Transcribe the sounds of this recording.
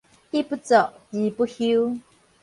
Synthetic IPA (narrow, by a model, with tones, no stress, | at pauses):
ʔi˦pu˦t͡sɔ˨ʔti˨˦pu˦hi˦w